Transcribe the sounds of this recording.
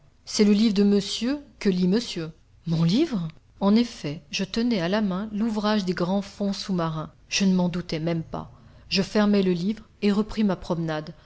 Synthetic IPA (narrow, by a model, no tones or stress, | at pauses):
sɛləlivʁd̪əməsjøkəliməsjø | mɔ̃livʁ | ɑ̃nefɛʒət̪ənɛalamɛ̃luvʁaʒd̪eɡʁɑ̃fɔ̃sumaʁɛ̃ | ʒ̥ənəmɑ̃d̪ut̪ɛmɛmpa̰ʒəfɛʁmɛləlivʁ | eʁəpχimapχɔmnad̪